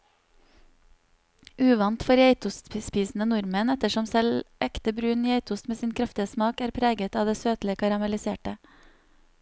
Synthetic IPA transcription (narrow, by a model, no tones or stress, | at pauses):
ʔʉːʋɑnt̪fɔɾjæɪt̪ʊst̪spiːsn̩ənʊɾmənɛt̪əʃɔmsɛlʔɛkt̪əbɾʉːniːæɪt̪ʰʊst̪meːsiːnkʰɾɑft̪ɪəsmɑːkæːɾpʰɾeːɡət̪ɑːʋd̪eːsøːt̪lɪkʰɑɾɑmɛlɪseːʈə